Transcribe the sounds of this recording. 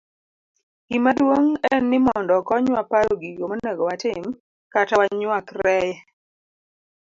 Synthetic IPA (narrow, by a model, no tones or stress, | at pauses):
ɡimadwoŋɛnɪmɔndɔkɔɲwapaɾɔɡiɡomonɛɡɔwatɪm | katawaɲwakrɛjɛ